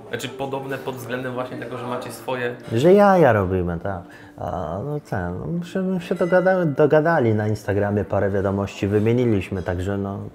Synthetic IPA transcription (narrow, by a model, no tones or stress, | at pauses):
at͡ʂɘpɔd̪ɔbnɛpɔd̪vzɡlɛnd̪ɛmvwaɕɲɛt̪ɛɡɔʐɛmat͡ɕɛsfɔjɛʐɛjajaɾɔbʲimɘt̪ak | a̰nɔt̪ɛnɔ̰mʂɛɕɛd̪ɔɡad̪ad̪ɔɡad̪alʲinainst̪aɡɾamʲjɛpaɾɛvʲjad̪ɔmɔɕt͡ɕivɘmʲjeɲilʲiɕmɘt̪aɡʐɛnɔ